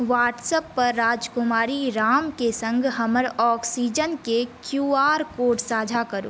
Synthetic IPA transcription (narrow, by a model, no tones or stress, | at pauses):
ʋaːʈsəpːɐɾːaːd͡ʒkʊmaːɾiɾaːmkesə̃ŋɡʱɦɐməɾɔːksiːd͡ʒənkekjuːaːɾkoːʈsaːd͡ʒʱakəɾo̰ː